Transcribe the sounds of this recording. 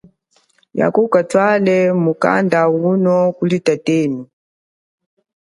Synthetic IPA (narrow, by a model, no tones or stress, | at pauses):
ja̰kukatʰwalɛmuka̰ndaunɔkulitateːnu